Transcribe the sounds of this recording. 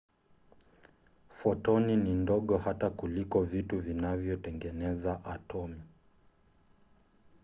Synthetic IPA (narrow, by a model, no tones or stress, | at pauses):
fɔtɔninindɔɠɔhatakulikɔvituvinavjɔtɛŋɡɛnɛzaʔatʰɔmi